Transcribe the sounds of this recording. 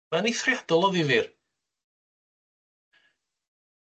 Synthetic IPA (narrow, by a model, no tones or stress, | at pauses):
ɛniθrjadɔlˠɔðɪvɪr